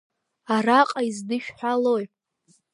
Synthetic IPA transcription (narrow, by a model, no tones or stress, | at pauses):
araqʼaizdɨʃᶣħʷᶣaloj